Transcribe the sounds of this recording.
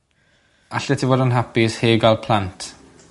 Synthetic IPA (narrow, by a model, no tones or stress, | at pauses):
aɬɛtʰivoːdənɦapisheːɡalˠpʰl̥ˠantʰ